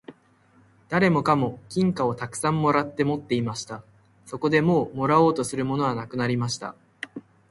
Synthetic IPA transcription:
d̪̥aɾe̞mo̞kamo̞kʲĩŋkao̞t̪akɯ̟̥sãmːo̞ɾat̪ːe̞mo̞t̪ːe̞imaɕi̥t̪a | so̞ko̞d̪e̞mo̞ːmo̞ɾao̞ːt̪o̞sɨɾɯ̟mo̞no̞βanakɯ̟naɾʲimaɕi̥t̪a̰

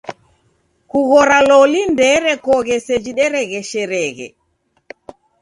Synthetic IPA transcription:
kuɣɔɾalɔlindɛɾɛkɔɣɛsɛd͡ʒiɗɛɾɛɣɛʃɛɾɛɣɛ̰

